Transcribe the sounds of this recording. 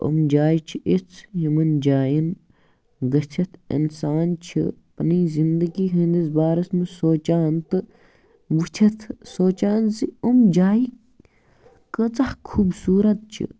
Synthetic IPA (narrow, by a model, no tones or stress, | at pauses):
o̰md͡ʒaːjit͡ʃʰiʔit͡sʰjimɐnd͡ʒaːjin | ɡɐt͡ʃʰɐt̪ʰḭnsaːnt͡ʃʰḭpɐniːzind̪ɐɡiːɦĩːnd̪ɐsbaːɾɐsmisoːt͡ʃaːnt̪ɨ | but͡ʃʰɐt̪ʰsoːt͡ʃaːnziumd͡ʒaːi | kət͡sɐhkʰuːbsuːɾɐt̪̚t͡ʃʰḭ